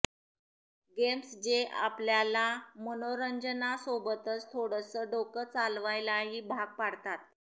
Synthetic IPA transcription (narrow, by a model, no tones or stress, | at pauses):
ɡemsd͡ʑeʔa̰pljalamənoɾəɲd͡ʑənasobət̪ət͡st̪ʰoɽəsəɖokət͡salʋajlaɦiːbʱaɡ̚paɽt̪at̪̚